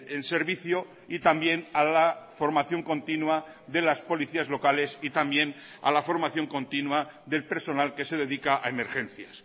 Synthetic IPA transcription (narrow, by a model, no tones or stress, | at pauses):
ense̞ɾβiθjo | it̪ambje̞nalafo̞ɾmaθjo̞ŋko̞nt̪inwa | ðe̞laspo̞liθiazlo̞kale̞sit̪ambje̞n | a̰lafo̞ɾmaθjo̞ŋko̞nt̪inwaðe̞lpe̞ɾso̞nalke̞se̞ðe̞ðikaʔa̰eme̞ɾxẽ̞n̟θjas